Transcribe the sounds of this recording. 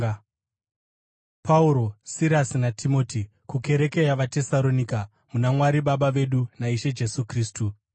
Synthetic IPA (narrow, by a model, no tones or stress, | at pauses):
pʰauɾo̞siɾasinatʰimo̞ːti | kuke̞ɾe̞ke̞jaʋate̞salo̞nika | munamwaɾiɓaɓaʋe̞ɗunaiʃe̞d͡ʒe̞sukriːstu